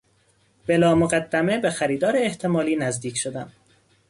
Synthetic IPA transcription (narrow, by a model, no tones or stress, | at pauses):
b̥e̞lɒːmoɣæd̪ːæme̞be̞xæɾiːd̪ɒːɾeːht̪ʰe̞mɒːliːnæzd̪iːcʰʃod̪æn